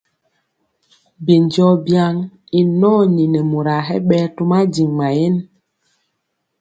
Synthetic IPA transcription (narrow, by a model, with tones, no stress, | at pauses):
bi˨nd͡ʒɔ˦bja˦ŋ | i˨nɔ˦ɲi˨nɛ˨mu˨ɾa˨ɦɛ̰˦ɓɛ˦tu˦ma˦ɟi˨ŋma˨je˦n